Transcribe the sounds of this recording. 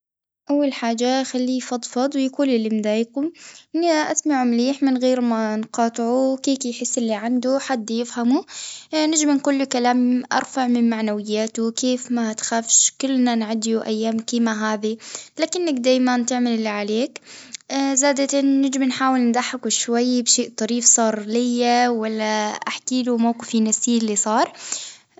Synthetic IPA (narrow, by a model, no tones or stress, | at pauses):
ʔawːalħaːd͡ʒaxalːifɑd̪ˤfɑd̪ˤwjakuːlɪlːimd̪aːjkʊm | ʔasmaʕumliːħmɪnɣeːɾmanqɑːt̪ˤʕukiːkjħɪsːɪlːiʕand̪uħad̪ːjɪfhamunɪd͡ʒmankʊlːukalaːmʔɑ̰ɾˤfaʕmɪnmaʕnawɪjːaːt̪ukeːfmat̪xafʃkʊlːnanʕad̪juʔajːaːmkiːmaɦaːðilaːkɪnːakd̪aːjmant̪ɪʕmalɪlːʕaleːk | zaːd̪at̪ːɪd͡ʒɪmnħaːwɪlnd̪aħːakuʃwajːbʃeːʔt̪ˤɑɾiːfsˤɑːɾˤlɪjːawalːaʔaħkiːlumawqɪfinasiːɪlːisˤɑːɾˤ